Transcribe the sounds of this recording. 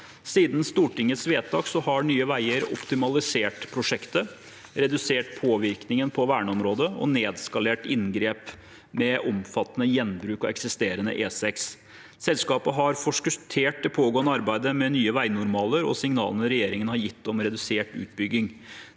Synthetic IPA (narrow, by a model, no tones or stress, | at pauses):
siːd̪nst̪uːʈɪŋːət̪sʋeːt̪ɑːksɔhɑɳyːəʋæɪəɾɔ̰pt̪ɪmɑlɪseːʈpʰɾʊʂɛkt̪ə | ɾɛd̪ʉseːʈpʰoːʋɪɾknɪŋənpʰɔʋæːɳəɔmɾoːd̪əɔ̰neːd̪skɑleːʈɪnɡɾeːp | mɛʔɔmfɑt̪ːənəjɛnbɾʉːkɑ̰ɛksɪst̪eːɾənə̰ʔeːsɛks | sɛlskɑːpəɦɑɾfɔʂkʉt̪ʰeːʈ̚d̪ɛpʰoːɡoːənəɑɾbæɪd̪əmɛnyːəʋæɪnʊɾmɑːləɾɔ̰sɪŋnɑ̰ːlənəɾɛjeːɾɪŋənhɑɾjɪt̪ːɔmɾɛd̪ʉseːʈʉ̰ːt̪̚bʏɡːɪŋ